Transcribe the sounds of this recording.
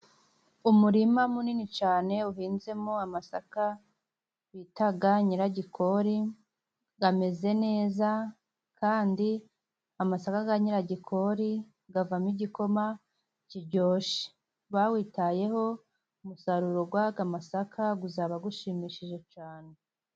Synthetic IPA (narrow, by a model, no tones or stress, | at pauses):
umuɾimamuninit͡ʃaːne̞uɦiːnze̞moamasa̰ka | witaɡaɲiɾaɟikʰo̞ɾi | ɡame̞ze̞ne̞ːza | kʰaːndi | amasakaɡaɲiɾaɟikʰo̞ɾi | ɡavamiɟiko̞ma | ciɾɟo̞ːʃe̥ | βawiːtaje̞ho̞ | umusaɾuɾoɡwaɡamasakʰaɡuzaβaɡuʃimiʃiʒe̞t͡ʃaːne